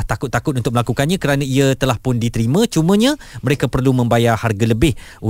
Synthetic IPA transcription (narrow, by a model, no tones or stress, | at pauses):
ht̪akʊt̪ːakʊt̪̚unt̪ʊk̚məlakukanɲãkəɾanãiət̪əlahpʊndit̪əɾimãt͡ʃumə̃ɲã | məɾekapərlumə̃mbajaharɡaləbɪhu